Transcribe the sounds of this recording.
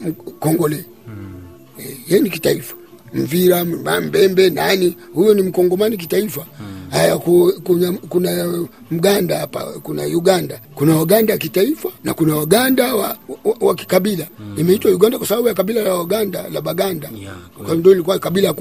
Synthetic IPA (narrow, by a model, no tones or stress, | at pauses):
m̩kɔŋɡɔlɛ | ɛhɛnikitaifḁm̩viɾaambɛmbɛnanihujɔnim̩kɔŋɡɔmanik̬itaifahajakukuɲakuna | m̩ɡandahapa̰kuna̰juɡandakunawaɡandajakitaifana̰kunawaɡandawawaki̥kaɓilaimɛitwajuɡandakwasaɓaɓujakaɓilalawaɡanda̰la̰ɓaɡandakandɔilik̬uwakaɓilak